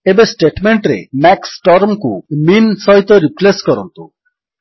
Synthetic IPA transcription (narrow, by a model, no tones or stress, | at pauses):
ebesʈeʈmeɳʈɾḛmɛksʈɔɾmkuminsɔɦit̪ɔɾipleskɔɾɔnt̪u